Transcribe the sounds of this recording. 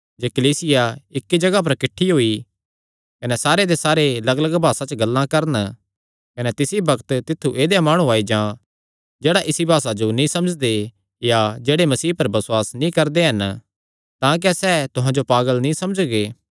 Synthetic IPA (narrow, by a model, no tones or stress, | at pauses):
d͡ʒeːkɐliːsɪjaɪkːid͡ʒɐɡap̬ɐɾkɪʈʰːiɦoːi | kɐnɛsaːɾed̪esaːɾelɐɡləɡbʱaːsat͡ʃəɡɐlːãkɐɾn | kɐnɛt̪ɪsibɐkʰt̪t̪ɪt̪ʰːuʔeːd̪jãmaːɽ̃ũaːid͡ʒãː | d͡ʒeːɽaʔɪsibʱaːsad͡ʒonĩsɐməd͡ʒd̪e | jad͡ʒeːɽemɐsiːɦpɐɾbɐswaːsnĩkɐɾd̪eɦɐn | t̪ãːk̬ɛsɛːt̪ʊɦãd͡ʒopaːɡəlnĩsɐmd͡ʒɡeː